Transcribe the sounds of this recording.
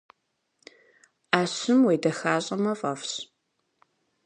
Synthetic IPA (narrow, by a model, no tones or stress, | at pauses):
aːɕɪmwejdɐxaːɕʼɐmɐfʼɐfɕ